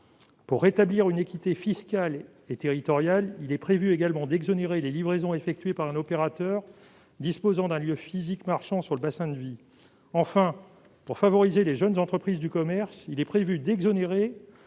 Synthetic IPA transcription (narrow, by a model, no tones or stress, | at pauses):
puʁːet̪abliʁynekʲit̪efiskal | et̪eʁit̪ɔʁjalilɛpχevyeɡalmɑ̃d̪ɛɡzɔneʁelelivʁezɔ̃efɛk̚t̪ɥepaʁɛ̃nɔpeʁat̪œːʁ | d̪ispozɑ̃d̪ɛ̃ljøfizikmaʁʃɑ̃syʁləbasɛ̃d̪vi | ɑ̃fɛ̃ | puʁfavɔʁizeleʒənzɑ̃t̪χəpχizd̪ykɔmɛʁsilɛpχevyd̪ɛɡzɔneʁe